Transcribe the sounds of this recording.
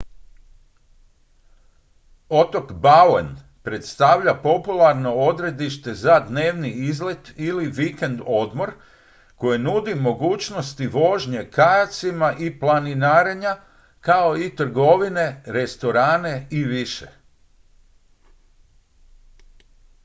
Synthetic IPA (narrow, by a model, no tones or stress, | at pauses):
o̞t̪o̞kbalḛn | pɾe̞t̪st̪aʋʎapo̞pulˠaɾno̞o̞d̪ɾe̞d̪iʃt̪e̞zad̪ne̞ːʋniizle̞t̪iliʋike̞nd̪o̞d̪mo̞ɾ | ko̞jenud̪imo̞ɡuːt͡ʃnost̪iʋo̞ʒɲe̞kajat̪simaʔiplˠaninaːɾeɲa | kao̞it̪r̩ɡo̞ʋine̞ɾe̞st̪o̞ɾaːne̞iʋiʃḛ